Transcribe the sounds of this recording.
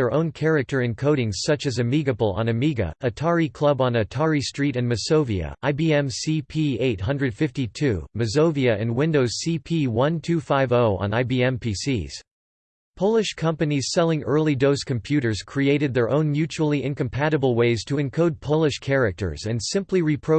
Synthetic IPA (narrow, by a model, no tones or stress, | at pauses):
ə˞ʔõʊ̃nkʰɛɹɨk̚tə˞ɨ̃nkʰoʊɾɪ̃ŋz̥sʌt͡ʃɨzɨmiɡɨbl̩ˠə̰̃nɨmiɡɨ̰ʔɨtʰɑɹikʰl̥ˠʌb̃n̩ɨtʰɑɹistɹ̥iɾɨ̃nmɨsoʊviɨ̰aɪbiɛ̃msipʰieɪt̚ɦʌ̃ndɹɨd̥fɪftitʰʉmɨzoʊviɨʔɨ̃nwɪ̃ndoʊz̥sipʰiwʌ̃ntʰʉfaɪvoʊə̰̃naɪbiɛ̃mpʰisḭz̥ | pʰoʊlˠɨʃkʰʌ̃mpɨniz̥sɛlˠɪ̃ŋɜ˞lˠidoʊskʰɨ̃mpʰj̥ʉɾə˞z̥kʰɹ̥ieɪɾɨd̪̚ðə˞ʔõʊ̃nmjʉt͡ʃul̩ˠiʔɪ̃nkɨ̃m̩pʰæɾɨbl̩ˠweɪz̥tʰəɨ̃nkʰoʊd̚pʰoʊlˠɨʃkʰɛɹɨk̚tə̰˞zɨ̃nsɪ̃mpliɹipʰɹ̥o